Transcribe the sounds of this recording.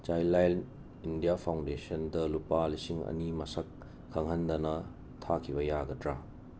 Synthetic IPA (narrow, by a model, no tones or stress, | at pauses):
t͡ʃajlajl | indijapʰawndesɐndɐlupalisiŋɐ̰nimɐsɐkʰː | ɐŋɦɐndɐnɐ | tʰakʰibɐjaɡɐtɾa